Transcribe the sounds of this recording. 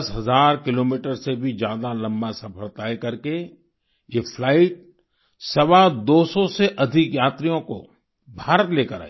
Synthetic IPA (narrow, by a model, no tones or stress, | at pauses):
sɦɐzaːɾkɪloːmiːʈəɾsebʱid͡ʒjaːd̪alɐ̃mbasɐpʰəɾt̪aːekɐɾke | jefʰlaːɪʈ̚ | sɐʋad̪oːsɔseʔɐd̪ʱɪkjaːt̪ɾijõko̰ | bʱaːɾət̪leːkəɾa̰ːi